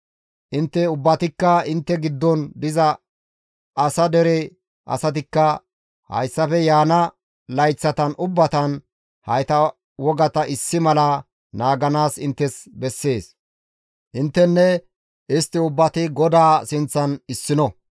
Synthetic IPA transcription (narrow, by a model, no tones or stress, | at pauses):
ʔɪnt̪ːɛʊbːɐt̪ɪkːɐɪnt̪ːɛɡɪd̪ːɔnd̪ɪzɐ | sɐd̪ɛɾɛ | ʔɐ̰sɐt̪̬ɪkːɐ | hɐ̰jsːɐfɛjaːnɐ | lɐjt͡sːɐt̪ɐnʔʊbːɐt̪ɐn | hɐjt̪ɐ | wɔɡɐt̪ɐʔɪsːɪmɐlɐ | naːɡɐnaːsɪnt̪ːɛsbɛsːe̞ːs | ʔɪnt̪ːɛnːɛ | ʔɪst̪ːɪʊbːɐt̪ɪɡɔd̪aːsɪnt͡sːɐnɪsːɪnɔ